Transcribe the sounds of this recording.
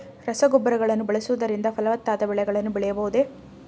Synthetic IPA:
ɾɐsɐɡɔbːɐɾɐɡɐɭɐnːubɐɭɐsuʋɐd̪ɐɾind̪ɐpɐlɐʋɐt̪ːaːd̪ɐbɛɭɛɡɐɭɐnːubɛɭɛjɐbɐɦud̪e̞

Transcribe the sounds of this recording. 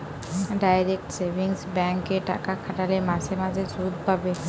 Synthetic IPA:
ɖajɾek̚ʈseʋiŋsbɛ̃ŋkːeʈa̰kakʰaʈalemasemad͡zʱesud̪̚pabe

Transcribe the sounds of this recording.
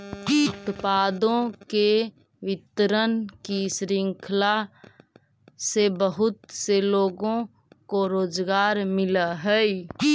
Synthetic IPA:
ʊt̪paːd̪õke | wɪt̪ɾənkisɾɪŋkʰla | sebəɦʊt̪seloːɡõ | koɾoːd͡ʒɡaːɾmɪləɦɛi

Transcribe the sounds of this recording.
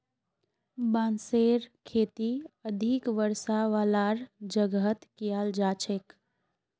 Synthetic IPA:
bãːnseɾkʰeːt̪iəd̪ʱikʋəɾsaʋaːlaɾd͡ʒəɡət̪kijald͡ʒaːt͡ʃʰek

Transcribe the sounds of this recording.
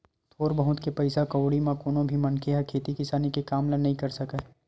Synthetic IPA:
t̪ʰoːɾbɐɦʊt̪kepɐɪsakɐwɽimãkoːnõbʱimɐ̃nkʰeɦɐkʰeːt̪ikɪsaːnikekaːmlanɐɦĩkɐɾsɐka

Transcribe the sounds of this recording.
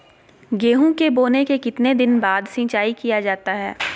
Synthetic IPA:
ɡeːɦũkeboːnekekɪt̪ned̪ɪnbaːd̪sɪ̃ːt͡ʃaːikijad͡ʒaːt̪aɦɛː

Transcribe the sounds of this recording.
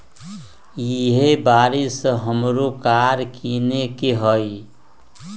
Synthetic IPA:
jiɦebaːɾisɦəmɾokaɾkinekeɦəj

